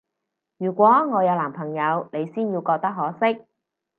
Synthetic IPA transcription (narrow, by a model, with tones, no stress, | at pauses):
jyː˨˩kʷɔː˨˥ŋɔː˨˧jɐ˨˧wlaː˨˩mpʰɐ˨˩ŋjɐ˨˧wne˨˧jsiː˥njiː˧wkɔː˧k̚t̪ɐ˥k̚ɦɔː˨˥sɪ˥k̚